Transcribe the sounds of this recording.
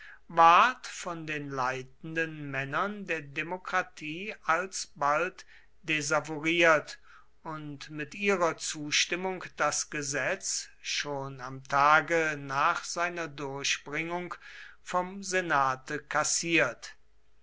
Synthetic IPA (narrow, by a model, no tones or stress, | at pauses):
vaɐtfɔndeːnlaɪt̚n̩dənmɛnɐndeːɐdemokʁ̥atʰiːalsbalt | d̥ezavoʁiːɐt | ʊntmɪtʔiːʁɐt͡suːʃtɪmʊŋkd̥asɡ̥əzɛt͡sʃoːnamtʰaːɡənaːχz̥aɪnɐdʊɐɕb̥ʁɪŋʊŋkfɔmzenaːtʰəkasiːɐt